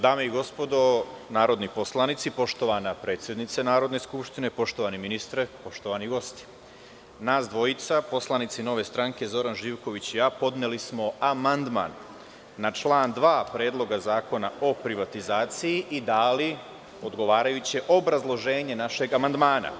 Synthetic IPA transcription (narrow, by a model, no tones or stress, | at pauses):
d̪aːme̞iɡo̞spo̞d̪o̞ | naːɾo̞d̪nipo̞slˠanit̪sipo̞ʃt̪o̞ʋanapɾe̞ːt̪sje̞d̪nit̪senaːɾo̞d̪ne̞skupʃt̪inepo̞ʃt̪o̞ʋaniminist̪ɾepo̞ʃt̪oʋaniɡo̞st̪i̥ | naːsd̪ʋo̞it̪sapo̞slˠanit̪sino̞ʋe̞st̪ɾaŋke̞zo̞ɾanʒiːʋko̞ʋit͡ɕijaːpo̞d̪nelismo̞amand̪ma̰nː | at͡ʃlaːnd̪ʋaːpɾeːd̪lˠo̞ɡazaːko̞nao̞pɾiʋat̪izaːt̪sijiʔid̪aːli | o̞d̪ɡo̞ʋaːɾajut͡ɕeʔo̞bɾazlˠo̞ʒe̞ːɲe̞naʃe̞ɡamand̪maːna̰